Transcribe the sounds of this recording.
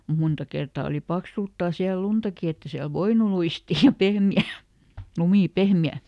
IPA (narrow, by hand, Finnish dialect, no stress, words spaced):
mu muntɑ kertɑː oli pɑksultːɑː siæl̆ luntɑki etː e siæl ʋoinu luistiː jɑ pehmiæˑ lumiˑ pehmeæ